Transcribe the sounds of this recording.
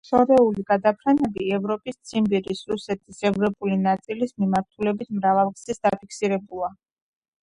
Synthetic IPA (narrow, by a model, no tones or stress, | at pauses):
ʃɔɾɛuliɡad̪apʰɾanɛbiɛvɾɔpʼist̪sʰimbiɾisɾusɛt̪ʰisɛvɾɔpʼulinat̪sʼilismimaɾt̪ʰulɛbit̪ʰmɾavalˠkz̥isd̪apʰikʰsiɾɛbulˠa